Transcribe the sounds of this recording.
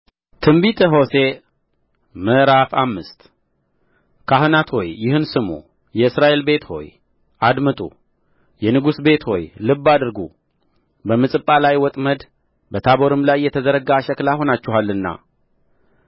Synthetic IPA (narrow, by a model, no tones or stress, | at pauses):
t̪ʰɨmbit̪ʰəɦo̞se̞ | məɾafamːɨst̪ | kʰahɨnat̪ho̞jːɪhɨnsɨmṵ | jɛɨsɾaʔe̞lbe̞t̪ho̞̰j | ʔad̪mət̪ʼṵ | jɛnɨɡusbe̞t̪ho̞̰jlɨbːad̪ɨɾɡṵ | bəmɨsʼɨpʼːalajwɔt̪ʼməd̪ | bət̪ʰaboɾɨmlajːɛt̪ʰəzəɾəɡaʃəklaho̞nat͡ʃːɪhalːɨnːa̰